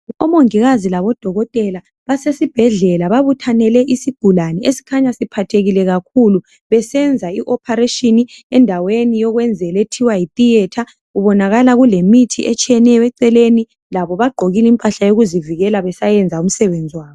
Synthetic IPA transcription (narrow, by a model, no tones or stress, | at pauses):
ɔmoŋiɣazilaβɔd̥ʱɔɣɔtʼɛla | βasesib̥ʱɛɮɛlaβaβutʰanɛlɛʔisiɡ̥ʱulanɛesi̥kʰaɲasipʰatʰeɣilɛɣakʰulu | βɛsɛnd͡zʱaiʔɔpʰaɾeʃiniɛndʱawenijɔɣwɛnd͡zʱɛletʰiwajit̪ʼijɛtʰa | ɣuβɔnaɣalaɣulemitʰḭʔɛt͡ʃʼijɛnɛjɔɛǀɛleni | laβɔβaɡ͡ǃʱoɣilimpʼaɬajoɣuziviɣɛlaβɛsajɛnd͡zʱaum̩sɛβend͡zʱiwaːβɔ